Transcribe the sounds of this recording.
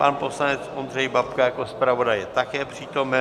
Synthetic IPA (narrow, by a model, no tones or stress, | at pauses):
panposlanɛt͡sʔond̪r̝ɛjbapkajakospɾavo̞dajɛt̪akɛːpr̝̥iːt̪o̞mɛ